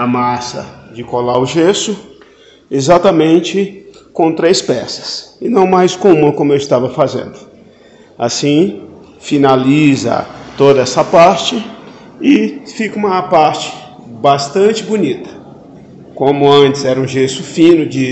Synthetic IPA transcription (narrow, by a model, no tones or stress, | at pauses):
ɐmasɐ̰d͡ʒɪkolaɾʊʒesʊ | ezat̪ɐmẽnt͡ʃɪkõt̪ɾejspɛsɐ̥sɪnɐ̃w̃majskõũmɐkõmʊewɪst̪avɐfazḛ̃nd̪ʊ | a̰sĩ | finalizɐ̰t̪od̪ɐɛsɐpaɾt͡ʃɪ | ɪfikɐũmɐpaɾt͡ʃɪ̥ | bast̪ɐ̃nt͡ʃɪbunit̪ɐ̥ | kõmʊɐ̃nt͡ʃɪzɛɾɐũʒesʊfĩnʊd͡ʒɪ